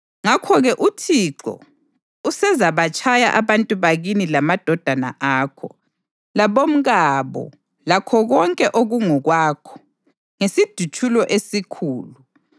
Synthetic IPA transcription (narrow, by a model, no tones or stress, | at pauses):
ŋakʰɔɣɛʔutʰiǁɔ̰ | usɛzaβat͡ʃʼaja̰ʔaβantʼuβaɣinilamad̥ʱɔd̥ʱana̰ʔaːkʰɔ̰ | laβom̩ɣaβɔ̰ | lakʰɔɣɔŋkʼɛʔoɣuŋɔɣwaːkʰɔ̥ | ŋesid̥ʱut͡ʃʰʼulɔʔesikʰuːlu